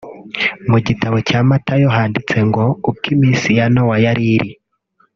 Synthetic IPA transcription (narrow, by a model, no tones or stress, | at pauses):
muɟitaβo̞caːmatajoɦaːndit͡se̞ŋɡo̞ub̚ɡimiːnsijanowajaɾiɾi